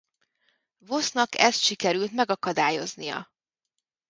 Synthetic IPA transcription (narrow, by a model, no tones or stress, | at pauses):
vo̞snɒkɛ̰st̪ʃikɛɾylt̪mɛɡɒkɒd̪aːjo̞znijɒ̰